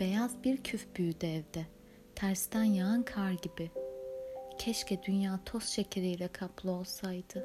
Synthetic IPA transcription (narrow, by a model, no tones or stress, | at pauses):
b̥e̞jazbiɾcʰyfbyːd̪ɛvd̪ɛ | t̪ʰæɾst̪ænjaankʰaɾɟibɪ | cʰɛʃcʰɛd̪ynjaːt̪ʰo̞sʃecʰeɾijlʲɛkʰaplˠɯo̞lˠsajd̪̥ɯ